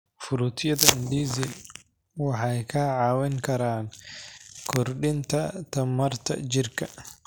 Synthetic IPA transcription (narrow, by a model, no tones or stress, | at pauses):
fuɾut̪ijɐt̪ɐɪndizi | waħajkaːʕaːwɛŋkɐɾan | kɔɾɗint̪at̪ɐmɐɾt̪ɐ̰d͡ʒiɾkɐ